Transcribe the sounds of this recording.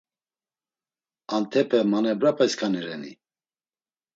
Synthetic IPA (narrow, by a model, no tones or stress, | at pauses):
ant̪ʰɛpʰɛmanɛbɾapʰɛskʰanɛɾɛnḭ